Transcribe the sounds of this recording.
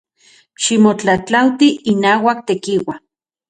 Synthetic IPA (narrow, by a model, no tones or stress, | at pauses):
ʃimot͡ɬat͡ɬawt̪iinaːwak̚t̪ekiwa